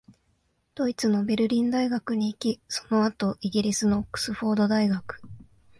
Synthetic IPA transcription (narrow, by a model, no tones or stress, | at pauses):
d̪̥o̞it͡sɨno̞be̞ɾɯ̟ɾʲĩnd̪aiɡakɯ̟ɲ̟iːkʲiso̞no̞at̪o̞ʔiɡʲiɾʲisɨno̞ːkːɯ̥sɨɸo̞ːd̪o̞d̪aiɡakɯ̥